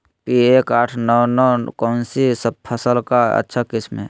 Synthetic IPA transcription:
pieːkaːʈʰnɔwnɔkɔːnsisəb̚pʰəsəlkaə̰tːʃʰakɪsmḛ

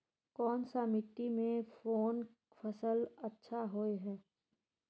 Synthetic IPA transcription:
kɔːnsamɪʈimẽfoːn | fʰəsəlɐtːʃʰaɦoːeɦɛː

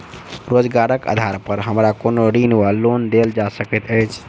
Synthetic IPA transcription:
ɾod͡ʒɡaɾəkə̰d̪ʱaɾpəɾɦəmɾakonoɾinuʋalond̪eld͡ʒasəkɛt̪əjt͡ʃʰ

